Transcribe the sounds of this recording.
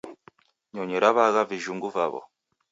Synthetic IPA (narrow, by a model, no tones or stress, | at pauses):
ɲɔɲɛɾaβaɣaviʒuŋɡuvaβɔ̰